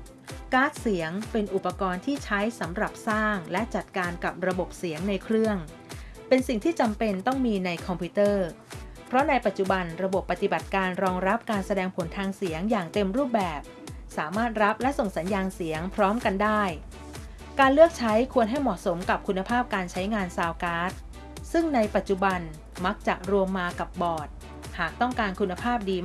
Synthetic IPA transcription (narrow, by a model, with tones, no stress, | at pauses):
kaː˦˥t̪̚si˩˦əŋpe˧nʔu˨˩pːa˧kɔː˧nt̪ʰiː˥˩t͡ɕʰa˦˥jsa˩˦mɾa˨˩p̚saː˥˩ŋlɛ˦˥ʔt͡ɕa˨˩t̪̚kaː˧nka˨˩p̚ɾa˧bo˨˩p̚si˩˦əŋna˧jkʰɾɯ˥˩əŋ | pe˧nsi˨˩ŋt̪ʰiː˥˩t͡ɕa˧mpe˧nt̪ɔ˥˩ŋmiː˧na˧jkʰɔ˧mpʰuː˦˥t̪ɤː˥˩ | pʰɾɔ˦˥na˧jpa˨˩t̪̚t͡ɕu˨˩ba˧nɾa˧bo˨˩pːa˨t̪i˨˩ba˨˩t̪̚kaː˧nɾɔː˧ŋɾa˦˥p̚kaː˧nsa˧dɛː˧ŋpʰo˨˩˦nt̪ʰaː˧ŋsi˩˦əŋjaː˨˩ŋt̪e˧mɾuː˥˩p̚bɛː˨˩p̚ | saː˩˦maː˥˩t̪̚ɾa˦˥p̚lɛ˦˥ʔso˨˩ŋsa˩˦njaː˧nsi˩˦əŋpʰɾɔː˦˥mka˧ndaː˥˩j | kaː˧nlɯ˥˩ək̚t͡ɕʰa˦˥jkʰu˧ənɦa˥˩jmɔː˨˩t̪̚so˩˦mka˨˩p̚kʰu˧nːa˧pʰaː˥˩p̚kaː˧nt͡ɕʰa˦˥jŋaː˧nsaː˧wkaː˦˥t̪̚ | sɯ˥˩ŋna˧jpa˨˩t̪̚t͡ɕu˨˩ba˧n | ma˦˥k̚t͡ɕa˨˩k̚ɾu˧əmːaː˧ka˨˩p̚bɔː˨˩t̪̚ | haː˨˩k̚t̪ɔ˥˩ŋkaː˧nkʰu˧nːa˧pʰaː˥˩p̚diː˧